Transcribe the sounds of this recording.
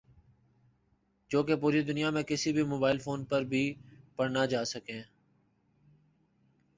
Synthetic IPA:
d͡ʒoːkepuːɾiːd̪ʊnɪjaːmẽːkɪsiːbʱiːmoːbaːɪlfoːnpəɾbʱiːpəɽnaːd͡ʒaːsəkẽː

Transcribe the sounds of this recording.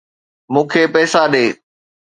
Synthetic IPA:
mũːkʰeːpɛːsaɗeː

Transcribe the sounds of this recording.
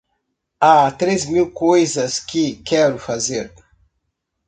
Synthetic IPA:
at̪ɾezmiwkojzɐskɪkɛɾʊfazeɾ

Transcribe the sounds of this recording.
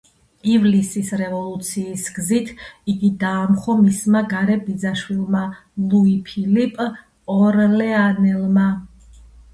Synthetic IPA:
ivlisisɾɛvɔlˠut̪sʰiːsɡzit̪ʰiɡid̪aːmχɔmismaɡaɾɛbid̪zaʃwilˠma | lˠuipʰilipʼ | ɔɾlɛanɛlˠma

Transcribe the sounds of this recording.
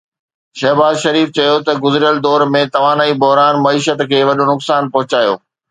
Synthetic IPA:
ʃɐɦbaːzʃɐɾiːft͡ɕɐjot̪ɐɡʊzɪɾijəld̪ɔːɾmẽt̪ɐʋaːnaːibʊɦɾaːnmɐiːʃət̪kʰeːʋɐɗonʊksaːnpɐɦʊt͡ɕaːjo̰ː

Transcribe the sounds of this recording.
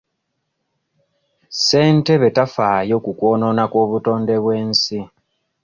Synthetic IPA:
se̞ːnte̞βe̞tafaːjo̞ːkukwo̞ːno̞nako̞ːβuto̞ːndeβwe̞ːnsi

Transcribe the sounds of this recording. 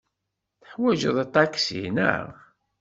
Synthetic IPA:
θəħwæʒəðˤt̪ˤːɑksḭnə̰ʁ

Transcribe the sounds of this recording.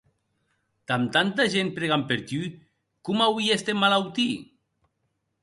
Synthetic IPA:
t̪amt̪ant̪aʒenpɾeɣampeɾt̪y | kumawwiest̪emalawt̪i

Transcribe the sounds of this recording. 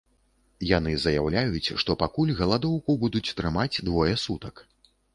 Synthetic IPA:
jan̪ɨzɐjawlʲajut͡sʲʂt̪ɔpakulʲɣɐlˠad̪ɔwkubud̪ut͡sʲt̪ɾɨmad͡zʲd̪vɔjɛsut̪ɐk

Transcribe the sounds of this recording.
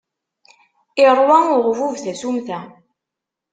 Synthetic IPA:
ɪɾˤwæʊʁvuvθæsumθæ

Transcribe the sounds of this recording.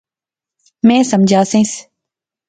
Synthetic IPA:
mɛ̃ːsəmd͡ʒʱaːsẽːs

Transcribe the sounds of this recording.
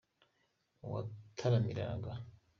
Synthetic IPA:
wa̰tʰaɾamiɾa̰ɡa

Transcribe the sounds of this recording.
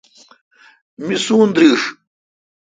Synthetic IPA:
misuːnd̪ɾiːʂ

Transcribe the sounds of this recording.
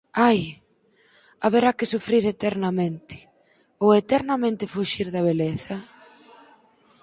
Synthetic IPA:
aj | aβeɾakɪsufɾiɾet̪ɛɾnɐmẽnt̪ɪ̥ | owet̪ɛɾnɐmẽnt̪ɪfuʃiɾðɐβ̞eleθɐ

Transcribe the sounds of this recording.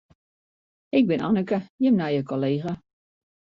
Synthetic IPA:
ɪk̚bɪna̰nəkəjəmnajəkoleːɣa

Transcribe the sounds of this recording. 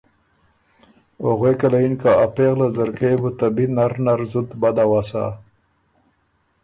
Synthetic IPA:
oɣwekalainkaapeɣlazaɾkebut̪abinaɾnaɾzud̪bad̪awasa̰

